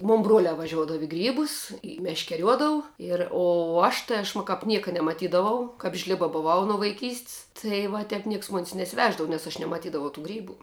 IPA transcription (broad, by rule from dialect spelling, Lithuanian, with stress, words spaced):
ˈmoːn ˈbroːlʲɛ ʋɐˈʒʲuɔdɐw ɪ ˈɡrʲiːbʊs ɪ mʲɛʃʲkʲɛˈrʲuɔdoːʊ ɪr ˈoː ˈɐʃ tɘ ˈɐʃ m kɐp ˈnʲiɛkɐ nʲɛmɐˈtʲiːdɐʋɐʊ kɐp ˈʒʲlʲɪbɐ bʊˈʋɐʊ nʊ ʋɐɪˈkʲiːsʲtʲsʲ tɐɪ ʋɐ ˈtʲɛp ˈnʲiɛks moːnʲsʲ nʲɛsʲɪˈʋʲæːʒdɐʋoː nʲɛs ɐʃ nʲɛmɐˈtʲiːdɐʋɐʊ tuː ˈɡrʲiːbʊ